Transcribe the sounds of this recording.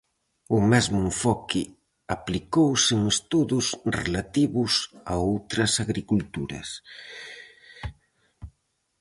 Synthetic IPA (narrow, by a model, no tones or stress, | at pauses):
ʊmɛzmʊeɱfɔkɪ | aplikowsɪŋest̪uðʊsrḛlat̪iβʊsa̰owt̪ɾɐsaɣɾikult̪uɾɐ̰s